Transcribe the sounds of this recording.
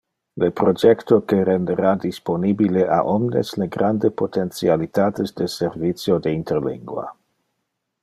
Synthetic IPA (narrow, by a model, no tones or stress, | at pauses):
lepɾod͡ʒɛkt̪okeɾendeɾadisponibileʔa̰ʔɔmnḛsleɡɾandepot̪ent͡sialit̪aːt̪ezdeseɾvitt͡sjodeinterlḭŋɡwa̰